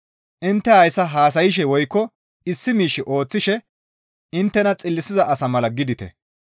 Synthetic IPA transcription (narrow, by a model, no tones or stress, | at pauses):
ʔɪnt̪ːɛhɐjsɐɦaːs̬ɐjɪʃ̬ɛwɔjkːɔ | ɪsːɪmiːʃːɪʔo̞ːt͡sːɪʃɛ | ɪnt̪ːɛnɐt͡sʼɪlːɪsɪzɐʔɐsɐmɐlɐɡɪd̪ɪt̪ɛ̰